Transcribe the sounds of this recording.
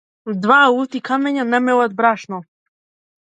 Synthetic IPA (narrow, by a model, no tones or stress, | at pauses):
d̪vaut̪ikʰamɛɲanɛmɛlat̪̚bɾaʃnɔ